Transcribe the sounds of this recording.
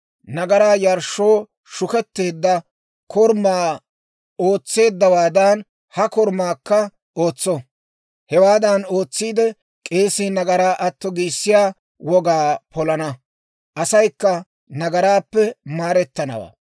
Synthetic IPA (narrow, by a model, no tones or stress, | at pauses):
nɐɡɐɾaːjɐɾʃːo̞ː | ʃʊkɛt̪ːe̞ːd̪ːɐ | kʰɔɾmaː | o̞ːt͡sːe̞ːd̪ːɐwaːd̪ɐn | hɐkɔɾmaːkːɐ | o̞ːt͡sːɔ | hɛwaːd̪ɐno̞ːt͡sːiːd̪ɛ | kʼe̞ːsiːnɐɡɐɾaːʔɐt̪ːɔɡiːsːɪjaː | wɔɡaːpɔlɐnɐ | ʔɐsɐjkːɐ | nɐɡɐɾaːpːɛmaːɾɛt̪ːɐnɐ̰wa̰ː